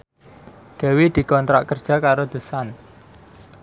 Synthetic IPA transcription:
ɖ̪̥ɛ̤wid̪̥i̤kɔnt̪ɾa̰ʔkərd̥ʒ̥a̤kaɾod̪̥o̤san

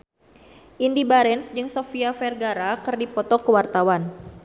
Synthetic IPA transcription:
ʔindibaɾɛnsd͡ʒɨŋsofiafɛrɡaɾakɨrdipɔt̪ɔkəwart̪awan

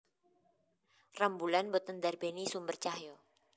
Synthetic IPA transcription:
rambulanbot̪əndarbenisumbərt͡ʃaɦjo

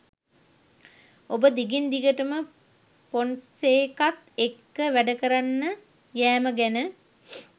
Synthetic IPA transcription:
obəd̪iɡind̪iɡəʈəmə | ponseːkat̪ekːəʋæɖəkəɾanːə | jæːməɡænə

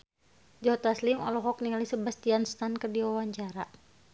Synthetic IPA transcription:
d͡ʒɔt̪aslimɔ̰lɔɦɔk̚niŋalisəbast̪ianst̪ankərdiwawaɲt͡ʃaɾa

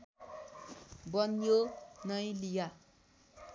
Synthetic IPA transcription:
bʌnjonʌjlija

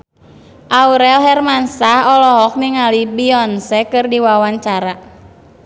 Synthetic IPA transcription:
ʔauɾɛlɦɛrmansahɔlɔɦɔk̚niŋalibiɔnsɛkɨrdiwawaɲt͡ʃaɾa

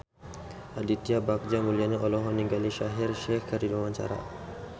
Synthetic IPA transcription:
adit̪iabak̚d͡ʒamuliaɲaʔɔlɔɦɔniŋɡaliʃaɦirʃɛhkərdilwamaɲt͡ʃa̰ɾa̰

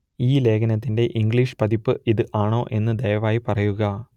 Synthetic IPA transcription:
iːle̞ːkʰɐnɐt̪̬ːinde̞ʔiŋɡɭiːʂɨ̥pɐðipːɨʔiðɨʔaːɳo̞ːʔe̞nːɨd̪ɐjɐʋaːjipɐrɐjuɣɐ

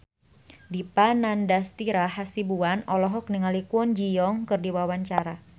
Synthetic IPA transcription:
dipanandast̪iɾaɦasibuanɔlɔɦɔk̚niŋalikuɔnd͡ʒijɔŋkɨrdiwawaɲt͡ʃaɾa

